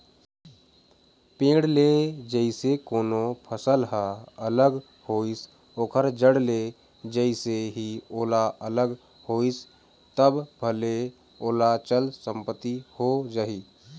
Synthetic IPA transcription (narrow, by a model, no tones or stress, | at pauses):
pẽːɽleːd͡ʒəisekoːnopʰəsəlɦaələɡ | hoːis | oːkʰəɾd͡ʒəɽle | d͡ʒəɪseɦioːlaələɡ | hoːis | t̪əbbʱəle | oːlat͡ʃəlsə̃mpət̪ːihod͡ʒəɦi